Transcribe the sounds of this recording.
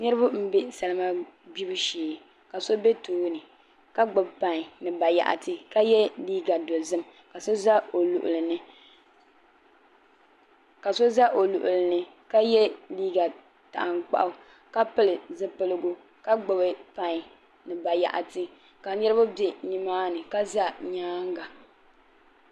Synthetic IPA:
nɨ˦ɾɨ˦bʊ˦m̩˦be˦sa˨lɨ˦ma˦ | bi˦bɨ˦ʃeː˨ | ka˨so˦be˦toː˨˦nɨ˨ | ka˦ɡ͡bʊ˨bpa˨ŋ˨nɨ˨ba˨ja̰˨ʔa̰˨tɨ˦ka˦jɛ˦liː˦ɡa˨do˨zɨ˦m | ka˨so˦za˦o˨lṵ˨ʔʊ̰˨lɨ˨nɨ˦ | ka˨so˦za˦ʔo˨lu˨ʔʊ˨lɨ˨nɨ˦ | ka˦jɛ˦liː˦ɡa˨ | ta̰˨ʔa˨ŋk͡pa̰˦ʔʊ˦ | ka˦pɨ˦lɨ˨zɨ˦pɨ˦lɨ˦ɡʊ˦ | ka˦ɡ͡bɨ˨bɨ˦pa˦˨ɲ˨ | nɨ˨ba˨ja̰˨ʔa˨tɨ˦ | ka˨ɲɛ˦ɾɨ˦bʊ˦bje˨ni˦maː˦nɨ˨ka˦za˦ɲaː˦ŋ˦ɡa˨

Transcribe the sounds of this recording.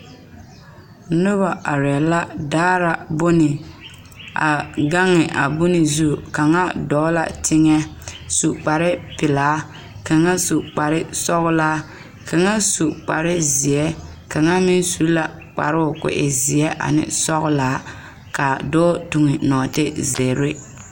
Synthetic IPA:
nʊ˦βa˨ʔa˨ɾɛ˨la˦daː˦ɾa˨bʊ˦nɪ˨ | a̰˨ɡa˦ŋːɪ˨ʔa˨bʊ˦nɪ˨zu˦˨ka˨ŋa˦dɔː˨˦la̰˨tʰɪ˦ŋɛ˦su˨k͡pa˨ɾɪ˦pɪ˨laː˨˦ | ka˨ŋa˦su˨k͡pa˨ɾɪ˦sɔ˦ɣʊ˦laː˦ | kʰa˨ŋa˦su˨k͡pa˨ɾɪ˦zɪ˨ɛ˦ | ka˨ŋa˦mɪ˦nsu˨˦la˨ | k͡pa̰˨ɾɪ˦ʊ˨kʊ̰˨ʔɪ̰˨zɪ˨ɛ˦ʔa̰˨nɪ̰˦sɔ˦ɣʊ˦laː˨˦ | ka˨doː˦tu˨ŋɪ˨nɔː˨tɪ˦ze˨ɾɪ˦

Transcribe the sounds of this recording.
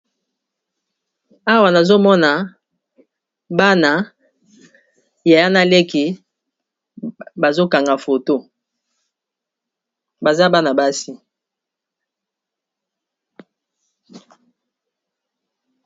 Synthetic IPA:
a˦wa˨na˨zo˦mɔ˦na˨ | ba˦na˨ | ja˨ja˦na˦le˦ki˨ | ba˨zo˦ka˨ŋɡa˨fo˨to˦ | ba˨za˦ba˦na˨ba˦si˦

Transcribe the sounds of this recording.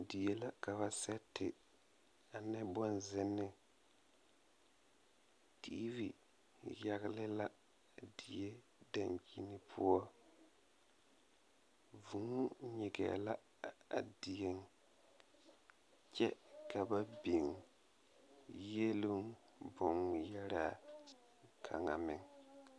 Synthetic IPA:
di˨jɛ˦˨la˦ka˨βa˦sɛ˦tɪ˨ | a˨nɛ˦bɔ˦nzɪ˦nːɪ˨ | ti˦vi˨ | ja˨ɣɪ˦lɪ˦la˦ | di˨je˦ | da˨ŋki˦nɪ˦pʰʊ˦ɔ˦ | vu˨ŋ˦ɲɪ˨ɡɛ̰˨la˦ | a̰˨di˨jɛ˦ŋ | t͡ʃɛ˦ka˨ba˦bi˨ŋ | je˦lʊ˦ŋ | bʊ˨ŋjɛ˦ɾa˨ | kʰa̰˨ŋa̰˨mɪ˨ŋ

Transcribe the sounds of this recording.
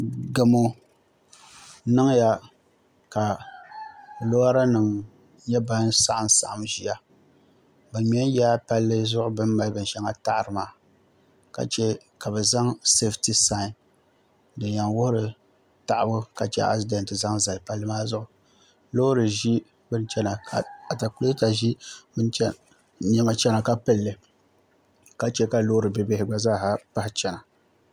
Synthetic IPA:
ɡa˨mo˦ | nɨ˦ŋja˦ | ka˨ | lo˦a˦ɾa˦nɨ˨ŋ | ɲɛ˦ba˦nsa˦ʔa˨m˦sa̰˨ʔa˨mʒi˨˦a˦ | ba˨m˨ɛ˦ja˦pa˦lːɨ˦zʊ˦ʔʊ˦bɨ˦mːa˦lbɨ˨n˨ʃɛ˦ŋa˦ta˦ʔɾɨ˨maː˨ | ka̰˨t͡ʃɛ˦ | ka˨bɛ˨za˦ŋse˦fti˦sa˦˨ | dɨ˨nja˨ŋwʊ˦hʊ˦ɾɨ˨ | ta˨ʔa˨bʊ˦ka˨t͡ʃɛ˦ʔa̰˦si˦da˨ntɨ˨za˦ŋza˨lpa˦lːɨ˦maː˦zʊ˦ʔʊ˨ | lo˦ɾɨ˨ʒi˦ | bɨ˦nt͡ʃɛ˦na˨a˨a˨ta˨ku˨˦o˦ta˨ʒi˦bɨ˦n˦ | ɲɛ˦ma˦t͡ʃɛ˦na˨ka˦pɨ˦lːɨ˨ | ka˦t͡ʃɛ˦ka˨lo˦ɾɨ˨bɨ˨be˨hɪ˨ɡ͡ba˦zaː˦˨ɦa˨pa˦hɪ˦t͡ʃɛ˨na˨

